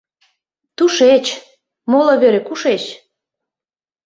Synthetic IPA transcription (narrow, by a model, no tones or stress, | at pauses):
t̪uʃet͡ɕ | moloβeɾekuʃet͡ɕ